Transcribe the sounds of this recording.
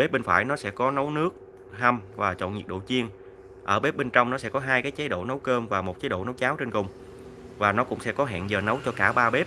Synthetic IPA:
ɓe˦˥p̚ɓe˧nfa̰ː˧˩jnɔ˨˦sɛ̰˧˥kɔ˨˦nə˨˦wnɨ˦˥ək̚ | ha˧mvaː˨˩t͡ɕo̰˧˨nɲi˨˩əɗo̰˧˨t͡ɕi˧ən | ʔəː˧˩ɓe˦˥p̚ɓe˧nt͡ɕɔ˧wŋ͡mnɔ˨˦sɛ̰˧˥kɔ˨˦ɦaː˧jkaː˨˦jt͡ɕa˨˦jɗo̰˧˨nə˨˦wkəː˧mvaː˨˩mo˨˩t̚t͡ɕa˨˦jɗo̰˧˨nə˨˦wt͡ɕaː˨˦wt͡ɕe˧nkʊ˨˩ŋ͡m | vaː˨˩nɔ˨˦kʊ̰˧˥ŋ͡msɛ̰˧˥kɔ˨˦ɦɛ̰ː˧˨nzəː˨˩nə˨˦wt͡ɕɔ˧kaː˧˩ɓaː˧ɓe˦˥p̚

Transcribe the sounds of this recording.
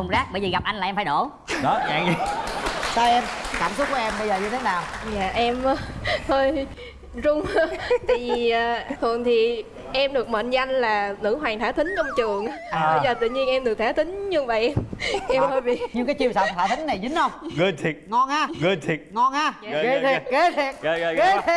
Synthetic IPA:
ʊ˨˩ŋ͡mzaː˦˥k̚ɓə˧jzəː˨˩ɣa˨˩p̚ʔa˧jŋlaː˨˩ʔɛ˧faː˧˦jɗo˧˩ | ɗɔ˨˦ɲa̰ː˧˦ŋi˧ | saː˧ʔɛ˧mkaː˧˩msʊ˦˥t̚vɔ˨˧˦ʔɛ˧mɓə˧jzəː˨˩ɲɨ˧t̪ʰe˨˦naː˨˩wɲa̰ː˧˨ʔɛ˧mː˧h̪ʰəː˧j | zʊ˧wŋ͡mt̪ʰi˨˩˧əː˨˩t̪ʰɔ˨˩əŋt̪ʰi˨˩ | ʔɛ˧mɗɨ˨˩ək̚mə̰ː˧˨nza˧jŋ̟laː˨˩nɨ̰˧˥ɦwaː˨˩ŋt̪ʰaː˨˦t̪ï˨˦ŋ̟t͡ɕɔ˧wŋ͡mt͡ɕɨ˨˩əŋʔə˧jzəː˨˩t̪ɨ̰˧˨ɲi˧ənʔɛ˧mɗɨ˨˩ək̚t̪ʰːt̪ï˨˦ŋ̟ɲɨ˧ŋva̰ː˨˩jʔɛ˧mʔɛ˧mhə˧jvi˨ɲɨ˧kaː˨˦jt͡ɕi˧əwsa˧˨˩t̪ʰa̰ː˧˩t̪ï˨˦ŋ̟na˨˩jzï˨˦ŋ̟hə˧wŋ͡mɣɨ˧˩t̪ʰi˨˩ŋɔ˧nʔaː˧˩ɣɨ˧˩t̪ʰi˨˩t̚ŋɔ˧naː˧˨˧

